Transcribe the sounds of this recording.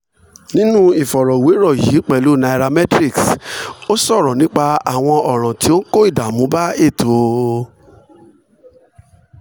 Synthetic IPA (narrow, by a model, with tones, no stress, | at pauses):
nĩ˦nũ˦i˦˨fɔ˨ɾɔ˨we˨˦ɾɔ˦˨ji˨˦k͡pɛ˨lu˨˦˨na˧i˧ɾa˧mɛ˦tɾi˦˨kso˦sɔ˦˨ɾɔ˨nĩ˨˦k͡pa˧a˨w̃ɔ̃˧ɔ˨ɾ̃ã˨ti˨˦o˦ko˦i˦˨da˨mũ˨˦ba˦e˦˨to˨˦˨